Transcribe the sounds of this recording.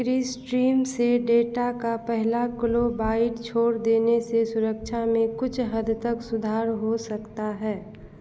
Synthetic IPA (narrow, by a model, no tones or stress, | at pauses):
kɾiːsʈɾiːmseɖeːʈakapɛɦlakɪlobaːɪʈt͡ʃʰoːɾd̪eːnesesʊɾəkt͡ʃʰamẽkʊt͡ʃʰɦəd̪ʱt̪əksʊd̪ʱaːɾɦosəkt̪aɦɛː